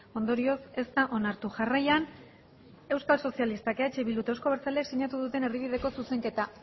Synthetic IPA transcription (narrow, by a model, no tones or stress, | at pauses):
o̞nd̪o̞ɾio̞se̞st̪aʔo̞naɾt̪uʝarajan | e̞wskalso̞sialist̪akeat͡ʃeβilut̪oskoβe̞ɾt͡saleksiɲat̪uð̞ut̪e̞ne̞riβ̞ið̞e̞ko̞suse̞ŋke̞t̪a